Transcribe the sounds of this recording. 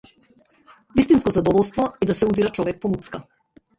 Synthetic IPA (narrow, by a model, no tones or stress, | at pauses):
vist̪inskɔzad̪ɔvɔlˠst̪vɔɛd̪asɛud̪iɾat͡ʃɔvɛk̚pɔmut̪ska